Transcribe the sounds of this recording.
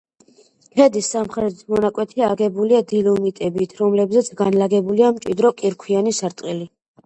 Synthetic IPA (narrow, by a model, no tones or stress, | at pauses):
kʰɛd̪isːamχɾɛd̪it̪ʰmɔnakʼwɛt̪ʰiaɡɛbuliad̪ilumit̪ʼɛbit̪ʰɾɔmlɛbzɛt̪sʰɡanlaɡɛbuliamt͡ʃʼid̪ɾɔkʼiɾkʰwianisaɾt̪ʼqʼili